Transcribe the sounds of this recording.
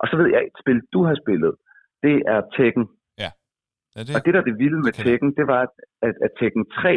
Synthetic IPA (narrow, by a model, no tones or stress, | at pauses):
ʔɒ̽sɒ̽ʋe̝ð̞̰ˠjɑ̈ɪe̝d̥sb̥e̝ld̥uɦɑ̈sb̥e̝lð̞̩ˠ | d̥e̝æɐt͡sʰeɡ̥n̩ | ɒ̽d̥e̝ɾ̥ɑ̈d̥e̝ʋiləmet͡sʰeɡ̥n̩d̥e̝ʋɑ̈æ̥æt͡sʰeɡ̥n̩t͡sʰʁɛ̰ː